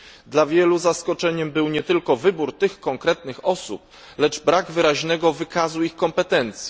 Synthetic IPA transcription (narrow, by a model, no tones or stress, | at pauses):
d̪lavʲjɛluzaskɔt͡ʂɛɲɛmbɘwɲɛt̪ɘlkɔvɘbuɾt̪ɘxkɔŋkɾɛt̪nɘxɔsṵp̚ | lɛd͡ʐbɾaɡvɘɾaʑnɛɡɔvɘkazuixkɔmpɛt̪ɛnt̪sʲji